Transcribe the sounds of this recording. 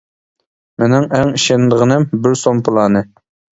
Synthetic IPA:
menɪŋæŋiʃɛnd̪əʁənɪmbɪɾsompʰɨlˠɑːnɨ

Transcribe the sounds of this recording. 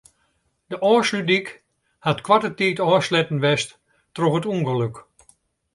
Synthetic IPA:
dəʔɔːslydik | hatkʋatətiːtɔːslɛtn̩ʋɛst | troxətuŋxəløk

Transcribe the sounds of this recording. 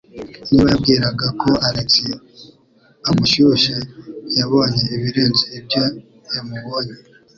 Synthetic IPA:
niβajab̚ɡiːɾaɡako̞aɾeksi | amuʃuʃejaβo̞ːɲeːβiɾe̞ːnziːbjo | jamuβo̞ːɲe

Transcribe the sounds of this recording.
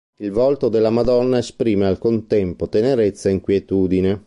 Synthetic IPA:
ilvɔlt̪od̪elːamad̪ɔnːaespɾiːmealkont̪ɛmpot̪eneɾet̪sːaiŋkwjet̪uːd̪ine

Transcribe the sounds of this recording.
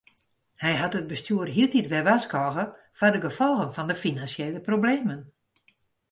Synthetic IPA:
hɛjɦatət̚bəstyərɦiəlˠtitʋɛʋaskɔɣə | fadəɡəfɔlˠɣənfɔndəfinansjeləprobleːmən

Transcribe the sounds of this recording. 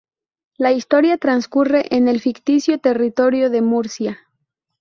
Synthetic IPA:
laist̪o̞ɾjat̪ɾanskure̞ʔenelfikt̪isjo̞t̪e̞rit̪o̞ɾjo̞ðe̞muɾsja

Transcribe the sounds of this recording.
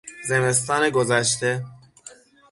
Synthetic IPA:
ze̞me̞st̪ɒːneɡozæʃt̪e̞

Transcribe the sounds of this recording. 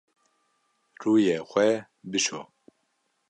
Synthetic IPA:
ruːjexʷɛ | bɨʃo̰

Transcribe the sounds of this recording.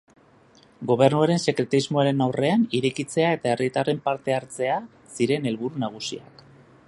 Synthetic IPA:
ɡo̞βe̞rnuaɾe̞nse̞kɾe̞t̪izmo̞aɾe̞nawre̞aniɾekit͡se̞ae̞t̪ae̞rit̪are̞mpaɾt̪e̞aɾt͡se̞a | siɾe̞ne̞lβuɾunaɣ̞usia̰k

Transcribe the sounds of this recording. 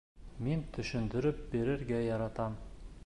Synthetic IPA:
mint̪ʰɵ̆ʃɵ̆nd̪ɵ̆ɾɵp̚biɾɘ̆ɾɡæjɑɾɑt̪ɑm

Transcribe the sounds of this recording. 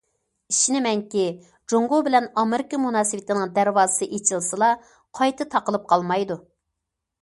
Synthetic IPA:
iʃinɪmɛŋkʲi | d͡ʒoŋɡobɪlɛnɑmɪɾɪkəmunɑːsɨwɪt̪ʰɪnɨŋd̪æɾwɑːzɨsɨʔet͡ʃʰilˠsɨlˠɑ | qʰɑjt̪ɨt̪ʰɑqəlˠɨp̚qʰɑlˠmɑjd̪u

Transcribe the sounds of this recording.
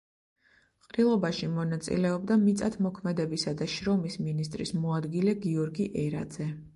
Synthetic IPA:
qʼɾilˠɔbaʃimɔnat̪sʼḭlɛɔbd̪amit̪sʼat̪ʰmɔkʰmɛd̪ɛbisad̪aʃɾɔmisminist̪ʼɾḭsmɔad̪ɡilɛɡiɔɾɡiʔɛɾad̪z̥ɛ

